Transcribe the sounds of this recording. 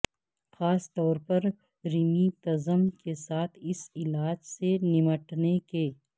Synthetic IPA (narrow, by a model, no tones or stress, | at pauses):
xaːst̪ɔːɾpɐɾ | ɾɪmit̪ɐzəmkesaːt̪ʰɪsɪlaːd͡ʒsenɪməʈnekeː